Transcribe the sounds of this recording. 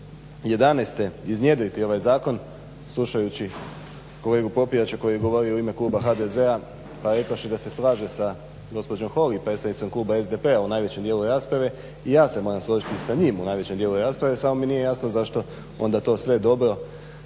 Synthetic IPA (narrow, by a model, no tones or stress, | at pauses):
je̞d̪anest̪e̞iznje̞d̪oit̪io̞ʋajzaːko̞n | slˠuʃajut͡ɕi | ko̞le̞ːɡupo̞piat͡ɕako̞jijeɡo̞ʋo̞ɾiouime̞klˠuːbaxad̪e̞ze̞a | paɾe̞kaoʃid̪ase̞slˠaːʒesa | ɡo̞spo̞d͡ʑo̞mxo̞lipɾet̪st̪adnit̪o̞mklˠuːbae̞zd̪epe̞aunaːjʋe̞t͡ɕemd̪jelˠuɾaːspɾaʋe̞ | ijaːse̞mo̞ːɾamslˠoʒit̪isaɲiːmunaːjʋe̞t͡ɕemd̪jeluɾaːspɾaʋe̞samominijejasnozaʃt̪o̞ | o̞̰nd̪at̪o̞ːsʋe̞d̪o̞bɾo̞